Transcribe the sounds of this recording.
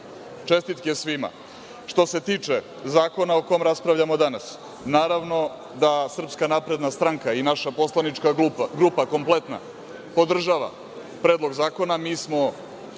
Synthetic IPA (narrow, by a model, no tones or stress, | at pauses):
t͡ʂe̞st̪it̪kiesʋima̰ | ʂt̪o̞se̞t̪iːt͡ʂe | zaːko̞naokomɾaspɾaʋʎamo̞d̪anas | naːɾaʋno̞ | d̪asr̩pskanapɾe̞d̪nast̪ɾaŋkainaʃapo̞slˠanit͡ʂkaɡɾupako̞mplˠet̪na̰ | po̞d̪r̩ʒaʋa̰ | pɾeːd̪lˠo̞ɡzaːko̞namiːsmo̞